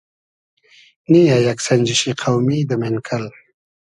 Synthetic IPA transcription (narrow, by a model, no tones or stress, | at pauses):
nijajaksanʲd͡ʑiɕiqʰawmid̪əmenkʰal